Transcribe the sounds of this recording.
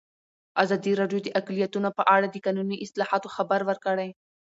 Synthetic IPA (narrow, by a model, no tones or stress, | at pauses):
azɑd̪iɾɑɖjod̪əʔaklijat̪unopəʔaɽad̪əkɑnuniʔɪslɑhɑt̪oxabaɾwəɾkəɽaj